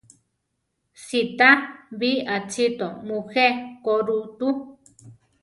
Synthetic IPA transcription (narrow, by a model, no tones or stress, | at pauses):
sit̪aβiat͡sʰit̪omũxekoɾut̪u